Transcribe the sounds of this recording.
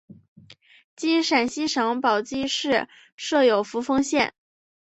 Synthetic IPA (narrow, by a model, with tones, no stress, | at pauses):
t͡ɕi˥nʂa˨˩nɕi˥ʂɑ˧˥ŋpɑ˨˩ʊt͡ɕi˥ʂɻ̩˥˧ | ʂɤ˥˩jo˨˩ʊfu˧˥fɤ˥ŋɕjɛ˥˩n